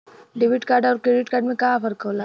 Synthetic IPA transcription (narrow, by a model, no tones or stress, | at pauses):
ɖɪʋɪʈkaːɾɖɔːɾkɾeːɖɪʈkaːɾɖmẽkaːfɐɾkɦoːlaː